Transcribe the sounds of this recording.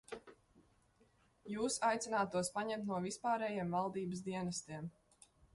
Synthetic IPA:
juːsajt̪sʲɪnaːt̪uɔspaɲɛmt̪nuɔvispaːɾɛːjeɛmvalˠd̪iːbəsd̪iɛnast̪iɛm

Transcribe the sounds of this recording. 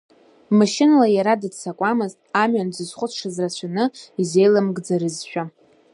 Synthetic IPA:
maʃɪnalajaɾadɨdt͡sʰakʷʼamɨztʼamɥanzɨzχʷʊt͡sʰʂazrat͡ɕʷʰanɨize̞jlamɡd͡zaɾɨzʃᶣa

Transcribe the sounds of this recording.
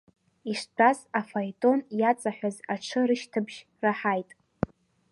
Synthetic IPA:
iʂdasafajtʼo̞njat͡sʼaħʷᶣazaʈ͡ʂʰɨɾɨʃtʰɨbʒ | raħajtʼ

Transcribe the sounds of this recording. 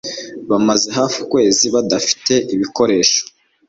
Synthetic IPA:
βamaze̞ɦaːfukwe̞ːziβadafi̥te̞ʔiβiko̞ɾe̞ːʃo̥

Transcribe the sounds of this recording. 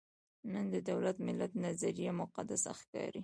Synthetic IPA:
nənd̪əd̪awlat̪mɪlat̪̚nazaɾijamʊqad̪asa̰xkɑ̰ɾi

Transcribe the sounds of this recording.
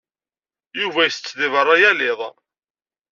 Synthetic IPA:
juvæjəθət͡sːðivərˤːɑjælɪðˤ

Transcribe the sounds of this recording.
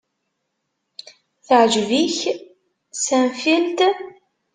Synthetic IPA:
θəʕʒviç | sæmfilt̪

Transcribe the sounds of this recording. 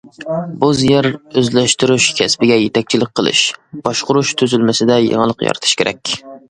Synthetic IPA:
buzjɛɾøzlɛʃt̪uɾuʃkʲʰɛspɪɡʲɛjet̪ʰɛk̚ʲt͡ʃʰilɪk̚ʲqʰːəlˠɨ̰ʃb̥ɑʃqʊɾuʃt̪ʰøzylmɪsɪd̪ɛjə̰ŋəlˠəqjɑ̰ɾɨt̪ʰɨ̥ʃkʲʰeɾɛ̰kʲ

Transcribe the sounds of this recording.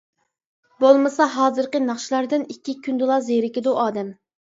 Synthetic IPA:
bolˠmɨsɑɦɑːzɨɾqənɑχʃilˠɑɾd̪ɨnikʲʰːikʲʰynd̪ɨlˠɑzejɾɪkʲɪd̪uʔɑːd̪ɛm

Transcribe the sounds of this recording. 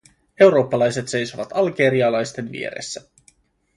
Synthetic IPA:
e̞wɾo̞ːpːɑlɑjse̞t̪se̞jso̞ʋɑt̪ɑlɡeːɾiɑlɑjst̪e̞nʋḭe̞̰ɾḛsːæ

